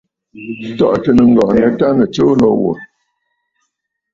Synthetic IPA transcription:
tɔ˨ʔtə˨nə˨ŋ̩˦ɡɔ˨n˨ɛ˨˦ta˦nə˨t͡ʃo˦lɔ˦wo̰˨

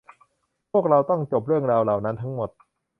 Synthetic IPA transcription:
pʰu˥˩ək̚ɾa˧wt̪ɔ˥˩ŋt͡ɕo˨˩p̚ɾɯ˥˩əŋɾaː˧wla˨˩wna˦˥nt̪ʰa˦˥ŋmo˨˩t̪̚

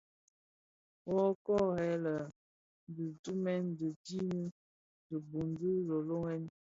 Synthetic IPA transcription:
wɔ˦kɔ˦hɛ˨˦lə˨ | n˦di˨tu˦mɛ˦n˦di˨di˦ni˦ | də˨bu˨ndi˦lo˨lo˦ŋɛ˦n

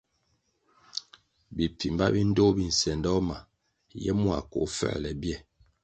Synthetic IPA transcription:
bi˨pi˨mba̰˦bi˦n̩˦do˦bi˦n̩˨sɛ˨ndɔ˦ma˨ | jɛ̰˦mwa̰˨ko̰˨fɛ̰˦˨lɛ˨bjɛ˦

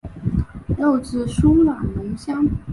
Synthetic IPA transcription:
ljo˥˧ʊt͡sɹ̩˥˩ʂu˥la˨˩ŋnə˧˥ŋɕjɑ˥ŋ

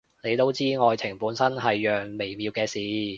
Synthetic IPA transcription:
ne˨˧jt̪o˥wt͡siː˥ŋɔː˨˧jt͡sʰɪ˨˩ŋpuː˨˥nsɐ˥nɦɐ˨jːœː˨ŋme˨˩jmiː˨˧wkɛː˧siː˨˥

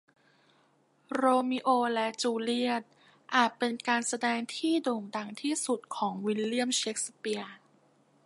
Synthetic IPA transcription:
ɾoː˧mi˦˥ʔoː˧lɛ˦˥ʔt͡ɕuː˧li˥˩ət̪̚ | ʔaː˨˩t̪̚pe˧nkaː˧nsa˧dɛː˧ŋt̪ʰiː˥˩doː˨˩ŋda˨˩ŋt̪ʰiː˥˩su˨˩t̪̚kʰɔː˩˦ŋwi˧˥lːi˥˩əmt͡ɕe˦˥k̚spi˧ə

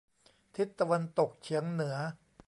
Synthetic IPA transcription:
t̪ʰi˦˥t̪ːa˧wa˧nt̪o˨˩k̚t͡ɕʰi˩˦əŋnɯ˩˦ɐ

